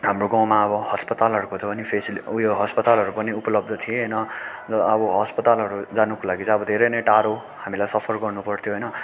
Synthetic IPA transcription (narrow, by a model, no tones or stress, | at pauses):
ɦamroɡãw̃maʌbʌhʌspʌt̪alɦʌɾukot̪ʰʌpʌnipʰesilujoɦʌspʌt̪alɦʌɾupʌniupʌlʌb̚d̪ʱʌt̪ʰieɦʌjnʌd͡zʌʌbʌɦʌspʌt̪alɦʌɾud͡zanukolaɡit͡sʌʌbʌd̪ʱeɾʌjnʌjʈaɾo | hamilajsʌpʰʌrɡʌrnupʌrt̪ʰjoɦʌjnʌ